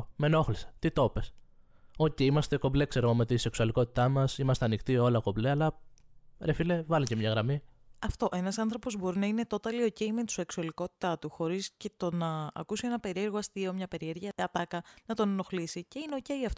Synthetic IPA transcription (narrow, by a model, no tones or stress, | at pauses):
me̞no̞xlise̥t̪it̪o̞pes | ociimɐst̪e̞ko̞ble̞kse̞ɾoɣomet̪ise̞ksuɐliko̞t̪i̥t̪ɐmɐsimɐst̪eɐnixt̪iolɐko̞bleɐlɐ | ɾefilevɐlicemɲɐɣɾɐmi | ɐft̪o̞ʔe̞nɐsɐnθɾo̞po̞zbo̞ɾinɐine̞t̪o̞t̪ɐlio̞ceimet̪u̥seksuɐliko̞t̪i̥t̪ɐt̪uxo̞ɾisce̞t̪o̞nɐ̰ːkusie̞nɐpe̞ɾie̞ɾɣoɐst̪io̞mɲɐpe̞ɾie̞ɾʝɐɐt̪ɐkɐnɐt̪onɐno̞xlisice̞ineoceiɐft̪o